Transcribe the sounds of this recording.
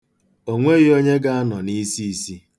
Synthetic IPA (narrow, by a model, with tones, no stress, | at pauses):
o˦ŋʷe˦ɣɪ˦o˦ɲe˦ɡa˦a˦nɔ˨ni˦si˦˨si˦